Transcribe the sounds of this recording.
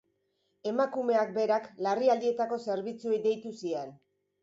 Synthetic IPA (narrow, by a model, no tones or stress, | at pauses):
e̞makume̞ak̚be̞ɾaklariald̪ie̞t̪ako̞se̞ɾβit͡sue̞jd̪e̞jt̪usien